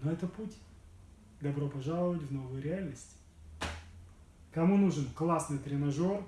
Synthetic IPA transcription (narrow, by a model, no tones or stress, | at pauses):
noɛt̪əputʲ | d̪ɐbɾopɐʐalˠəvətʲvno̞vɨjʊɾʲɪalʲnəsʲtʲɪ̥ | kɐmunuʐɨnklˠasnɨjt̪ɾʲɪnɐʐor